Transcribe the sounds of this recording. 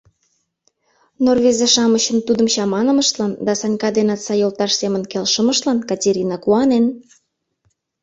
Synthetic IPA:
norvezeʃɑməɕə̆nt̪ud̪əmɕɑmɑnə̆məʃt̪lɑnd̪ɑsɑnʲkɑd̪enɑt̪st͡sɑjolt̪ɑʃsemə̆nkelʃə̆məʃt̪lɑnkɑtʲeɾʲinɑkuɑnen

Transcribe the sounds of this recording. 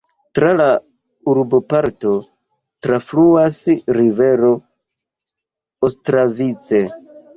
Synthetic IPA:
tɾala | uɾbopaɾto̞ | tɾafluasɾive̞ɾo̞ | ostɾavit͡se

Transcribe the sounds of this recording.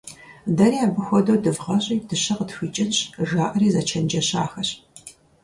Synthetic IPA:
dɐɾiːaːbɨxʷɔdowdɨvʁɐɕʼiːdɨɕɐqətxʷiːt͡ʃʼɪnɕʒaːʔɐriːzɐt͡ʃʰɐnd͡ʒɐɕaːxɐɕ

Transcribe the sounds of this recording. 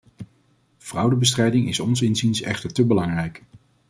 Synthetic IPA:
v̥rʌwdəbəs̬trɛjdɪŋɪsɔnsɪnzinsɛ̰χtəɹtəbəlɑŋrɛjk

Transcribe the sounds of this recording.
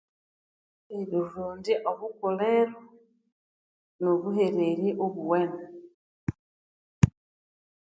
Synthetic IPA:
eɾuɾuːndiʔoβukoleɾo | noβuɦeɾeɾiʔoβuwene

